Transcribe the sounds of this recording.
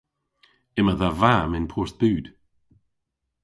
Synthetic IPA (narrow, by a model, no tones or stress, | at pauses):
ɪməðavamɪnpʰɔːɹsb̥ʉːd̥